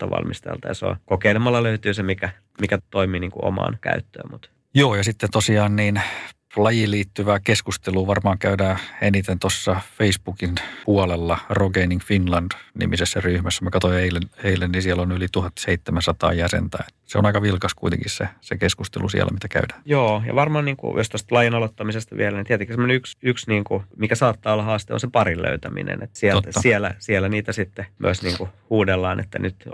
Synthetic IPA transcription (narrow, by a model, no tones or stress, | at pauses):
t̪ɑʋɑ̰lmist̪ḛlt̪ɑjɑ̰so̰kokeilemɑlːɑløyt̪yːsemikæ | mikæt̪oimiːniːŋkuʔo̰mɑ̰ːnkæ̰yt̪ːø̰ːmmut̪ | joːjɑsit̪ːet̪osiɑːnniːn | lɑjiliːt̪ːyʋæːkeskust̪eluːʋɑrmɑːŋkæydæːenit̪ent̪osːɑfeisbukinpuɑlelːɑroɡeiniŋfinlɑnd̥nḭmisesːæryhmæsːæmekɑt̪oieileneilːennisiɛlonylit̪uhɑt̪ːseit̪ːemænsɑt̪ɑ̰ːjæsḛnt̪æ̰ːet̪seo̰nɑikɑʋilkɑskuit̪ḛŋkissesekeskust̪elusḭæ̰lːʔæ̰mit̪ækæ̰ydæːjoːjɑ̰ʋɑrmɑːniːŋkṵjost̪ost̪lɑjɑnɑlot̪ːɑmisest̪ɑʋḭælænint̪iæt̪eŋkːisemːoneyksyksniːŋkumikæsɑːt̪ːɑːolːɑhɑːst̪eo̰nsepɑrillø̰yt̪æmḭnḛnḛt̪ːsiælːɑsiɛlæ̰siɛlːæniːt̪æsit̪ːemy̰øsniːŋkuhuːdelːɑːnʔḛt̪ːæ̰nyt̪